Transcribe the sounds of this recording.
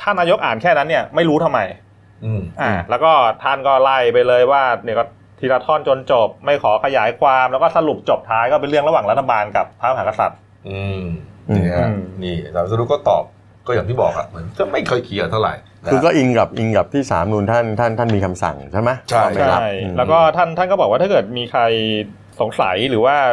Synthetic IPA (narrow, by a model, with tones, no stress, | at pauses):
t̪ʰa˥˩naː˧jo˦˥k̚ʔaː˨˩nkʰɛː˥˩na˦˥nːi˥˩ɐma˥˩jɾuː˦˥t̪ʰa˧mːa˧j | ʔɯː˧˩mʔaː˨˩lɛː˦˥wkɔː˥˩t̪ʰa˥˩nkɔː˥˩la˥˩jpa˧jlɤː˧jwaː˥˩ni˥˩kɔː˥˩ | t̪ʰiː˧laː˧t̪ʰɔː˥˩nt͡ɕo˧nt͡ɕo˨˩p̚ma˥˩jkʰɔː˩˦kʰa˧jaː˩˦jkʰwaː˧mlɛ˦˥wkɔː˥˩sa˧lu˨˩p̚t͡ɕo˨˩p̚t̪ʰaː˦˥jkɔː˥˩pe˧nlɯ˥˩əŋɾa˧waː˨˩ŋɾa˦˥t̪ʰːa˧baː˧nka˨˩pʰːaː˦˥ma˧aː˨˩˦ka˧sa̰˨˩t̪̚ | ʔɯː˧ʔa˨˧˩ŋiː˦˥˧niː˥˩saː˨˦msa˧ɾu˦kɔː˥˩t̪ɔ̰ː˨˩p̚ | kɔː˥˩jaː˨˩ŋiː˥˩bɔː˨˩k̚a̰˨˩mɯ˩˦nkʰɯː˥˩ma˥˩jkʰɤː˧jkʰi˧ɐ˧t̪ʰa˥˩ɾa̰˨˩j | kʰɯː˧kɔː˥˩ʔi˧ŋka˨˩p̚ʔi˧ŋka˨˩p̚t̪ʰiː˥˩sa̰ː˩˦mnu˧nt̪ʰa˥˩nt̪ʰa˥˩nt̪ʰa˥˩nmiː˧kʰa˧msa̰˨˩ŋt͡ɕʰa˥˩ma˦˥t͡ɕʰa˥˧˩ma˥t͡ɕa˦˩la̰˦˥˩jlɛː˦˥wkɔː˥˩t̪ʰa˥˩nt̪ʰa˥˩nkɔː˥˩bɔː˨˩kwaː˥˩a˥˩kɤː˨˩t̪̚miː˧kʰa˧j | so˩˦ŋsa̰˨˩˦jɾɯː˩˦waː˥˩